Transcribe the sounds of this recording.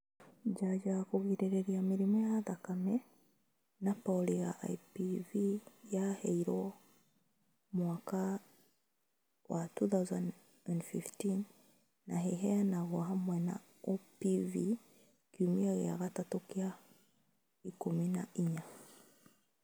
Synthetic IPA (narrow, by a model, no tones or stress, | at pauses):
d͡ʒad͡ʒakuɣiɾɛɾɛɾiamiɾimɔjaðakamɛ | napɔliɣaʔa̰jpivijahɛiɾɔ | mwaka | watuθawzan | andfḭftinː | aɦɛɦɛanaɣɔɦamwɛna̰ | upivi | kiumiaɣɛa̰ɣatatukia | ikuminaʔiɲa